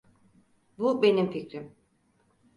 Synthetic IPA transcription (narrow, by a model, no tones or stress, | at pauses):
bube̞nimficɾim